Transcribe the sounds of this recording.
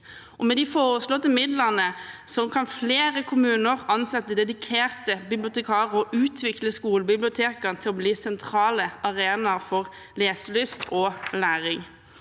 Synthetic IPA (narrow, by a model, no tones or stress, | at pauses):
ʔɔmɛd̪ɪfoːʁəslɔt̪əmɪd̪ləʁnəsɔkʰɑnfleːʁəkʰʊmʉːnəʁɑnsɛt̪ːəd̪ɛd̪ɪkʰeːʁt̪əbɪblɪʊt̪ɛkʰɑːʁəɔʔʉːt̪ʰʋɪkləskuːləbɪblɪʊt̪ʰeːkənt̪ʰɪlɔbliːsɛnt̪ʰɾɑːləɑʁeːnɑʁfɔʁ | leːsəlʏst̪ɔlæːʁɪŋ